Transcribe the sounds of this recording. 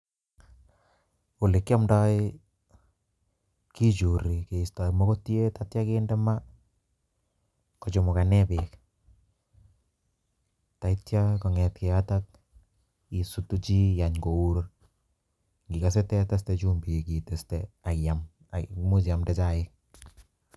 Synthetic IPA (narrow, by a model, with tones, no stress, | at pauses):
o˨le˨kːja˦mdɔ˦ɪ | ki˦t͡ʃu˨ɾi˨ke˨i˨sta˨imo˦ko˦tje˦tatja˦ke˦ndɛ˦ma˦ | kɔ˨t͡ʃʊ˨mʊ˨ka˨nɛ˦pek | ta˨itja˦kɔ˨ŋɛ˨tke˨a˦tat̚ | i˨su˨tu˦t͡ʃi˦ja˨ɲko˨u˦ɾo | ŋɡi˨ka˨s̬e˦tɛ˦ta˦s̬te˦t͡ʃu˦mbi˨ki˨te˨stɛa˨jam | mu˦t͡ʃa˨mdɛ˦t͡ʃa˦ɪ˦k̚